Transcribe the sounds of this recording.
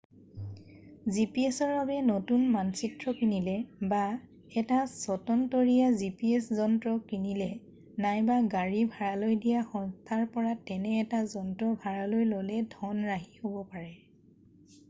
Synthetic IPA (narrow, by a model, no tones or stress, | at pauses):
zipiesɔɹbabɛnotunmansitɹɔkinilɛba | ɛtasɔtɔntɔɹijazipiɛszɔntɹɔkinilɛ | najbaɡaɹibʱaɹalojdijaxɔŋstʰaɹpɔɹatɛnɛːtazɔntɹɔbʱaɹalojlolɛdʱɔnɹaɦihobɔpaɹɛ